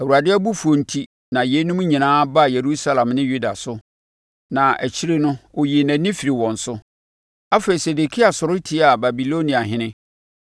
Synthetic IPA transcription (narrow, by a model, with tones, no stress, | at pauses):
æ˨wu˨a˨dɪ˦æ˦bu˦fu˨o˨n̩˨tʰi˦ | nã˨je˦nʊ̃˦m̃˦ɲĩ˨nãː˦ba˦˨je˨ɾu˦sa˦lã˨mnɪ̃˦ju˦da˨sʊ˦ | nã˨æ˨t͡ɕʰi˦ɾe˦nʊ̃˦o˨ji˨næ̃˨nɪ̃˦fi˨ɾi˨wɔ̃˨n̩˨sʊ˦ | a˦fe˨i˨se˨de˨kʰi˦a˨sʊ˨ɾʊ˦tʰi˦a˨ba˨bi˨lo˦nĩ˨a˨ɦɪ̃˦nɪ̃˦